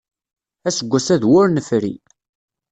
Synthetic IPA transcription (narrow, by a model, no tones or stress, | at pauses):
æsəɡʷːæsæðwʊɾnəfɾḭ